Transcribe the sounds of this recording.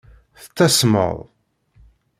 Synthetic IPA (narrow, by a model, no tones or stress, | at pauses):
θə̥t͡sːæsmə̰ðˤ